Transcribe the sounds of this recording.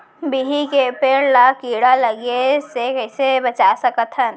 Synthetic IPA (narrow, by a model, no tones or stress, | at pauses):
biɦikepeːɽlakiːɽaləɡesekəɪsebət͡ʃasəkət̪ʰən